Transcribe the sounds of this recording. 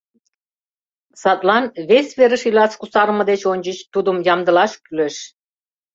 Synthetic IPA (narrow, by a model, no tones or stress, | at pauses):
sɑt̪lɑnβesʲβeɾəʃilɑskusɑɾmɤ̆d̪et͡ɕonʲd͡ʑit͡ɕt̪ud̪umjɑmd̪ə̆lɑʃkʲyløʃ